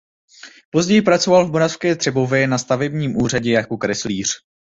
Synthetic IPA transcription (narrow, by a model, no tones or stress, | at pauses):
po̞zɟɛjɪpɾat͡so̞valvmoɾafskɛːt̪r̥ɛbo̞vjɛnast̪avɛbɲiːmʔuːr̝aɟɛjakokɾɛsliːr̝̥